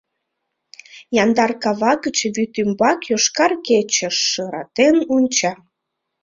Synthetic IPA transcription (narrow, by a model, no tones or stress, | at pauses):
jɑnd̪ɑrkɑβɑkət͡ɕβyt̪ymbɑkjoʃkɑrket͡ɕəʃːəɾɑ̰t̪enunʲt͡ɕɑ